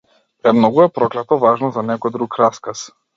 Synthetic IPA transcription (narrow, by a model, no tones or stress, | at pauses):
pɾɛmnɔɡuɛpɾɔklɛt̪ɔvaʒnɔzanɛkɔjd̪ɾukɾaskas